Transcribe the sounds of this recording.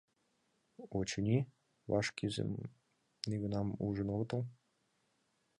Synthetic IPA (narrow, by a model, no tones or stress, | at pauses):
ot͡ɕə̆nʲi | βɑ̰ʃkizḛm | niɡə̆nɑmṵʒə̆noɡɤ̆t̪ɤ̆l